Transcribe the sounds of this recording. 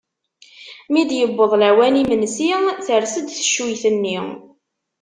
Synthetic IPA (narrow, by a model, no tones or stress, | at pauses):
mid̪jəbːəðˤlæwænimənsiθəɾsəd̪θə̥ʃujθənːi